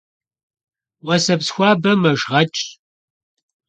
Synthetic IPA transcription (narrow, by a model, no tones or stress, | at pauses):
wɐsɐpsxʷɑːbɐmɐʒʁɐt͡ʃʼ